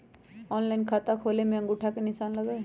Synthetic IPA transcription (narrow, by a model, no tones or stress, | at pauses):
ɔːnlajnkʰaːt̪akʰoːlemẽə̃ŋɡʊʈʰakenɪsaːnlɐɡaːe